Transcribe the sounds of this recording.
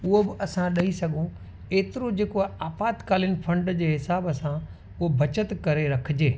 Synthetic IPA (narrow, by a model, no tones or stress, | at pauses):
ʊɦobɪʔɐsãɗɐisɐɡʱõ | eːt̪ɪɾod͡ʑeːkoaːpaːt̪kaːlɪənɪ̆fʰɐ̃ɳɖd͡ʑeːɦɪsaːbsã | ʊɦobʱɐt͡ɕət̪kɐɾeɾɐkʰɪd͡ʑeː